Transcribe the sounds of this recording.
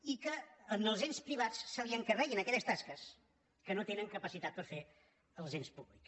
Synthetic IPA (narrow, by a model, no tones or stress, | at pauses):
ikəːnəlˠzenspɾiβ̞at͡ssaβiəŋkərɛɣinəkɛʎəst̪askəs | kənot̪enəŋkəpəsit̪at̪̚pəɾfe | əlˠzenspuβliks